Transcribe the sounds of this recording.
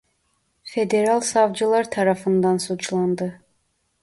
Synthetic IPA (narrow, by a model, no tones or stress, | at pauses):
fed̪e̞ɾɑlˠsɑvd͡ʒɯlˠɑɾt̪ʰɑɾɑfɯnd̪ɑnsut͡ʃlˠɑnd̪ɯ